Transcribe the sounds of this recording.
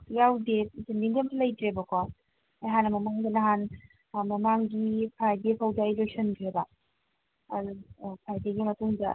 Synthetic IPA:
jawdet̚sindiŋdemtʰlɐjtɾebɐkʰɔ | ajɦanːɐmɐmaŋdɐlɐɦan | mɐmaŋɡipʰajdepʰɐwdɐijlek̚sɐnkʰɾebɐ | ɐdupʰajdeɡimɐtuŋdɐ̰

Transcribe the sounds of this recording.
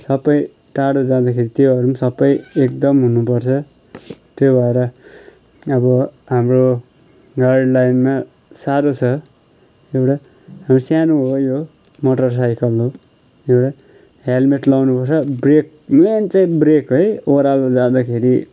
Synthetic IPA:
sʌbʌj | ʈaɽod͡zãd̪akʰeɾit̪joʌɾumsʌbʌjekd̪ʌmɦunupʌrt͡sʰʌ | t̪jobʱʌeɾʌ | ʌbʌ | ɦamro | ɡajɖlajnma | saɾot͡sʰʌ | ewʈa | ɦamrosjanoɦojo | moʈʌrs̬ajkʌlɦo | ewʈa | ɦjalmeʈlʌwnupʌrt͡sʰʌbrek̚ | ment͡saĩbrekɦojoɾalod͡zãd̪akʰeɾi

